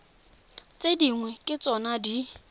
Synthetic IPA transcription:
t͡sʼediŋwɛkʼɪt͡sʼɔnadi

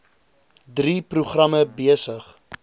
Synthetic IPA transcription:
dripruχrɐməbiəsəχ

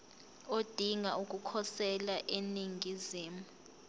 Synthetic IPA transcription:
od̥ʱiŋauk̬ʼukʰɔsɛlaʔeniŋiziːmu

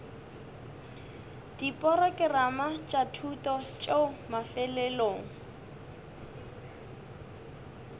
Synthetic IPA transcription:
d̥ipʼɔɾɔkʼɪramat͡ʃʼatʰutɔt͡ʃʼeʊmafɛlɛloːŋ̩

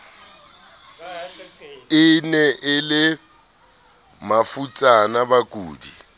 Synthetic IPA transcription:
ɪnɛʔɪlɪ | mafut͡sʼanabakʼuːdi

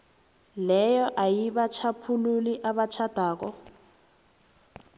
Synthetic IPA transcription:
lɛjɔʔajiβat͡ʃʰapʰululiʔaβat͡ʃʰad̥ʱaːkɔ

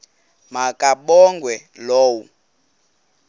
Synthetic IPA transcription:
makʼaɓɔŋɡwɛloːwu

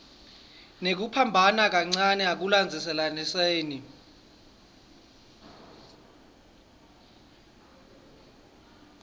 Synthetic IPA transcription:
nek̬upʰambʱanak̬aŋ͡ǀanɛak̬uland͡zʱisɛlaniseːni

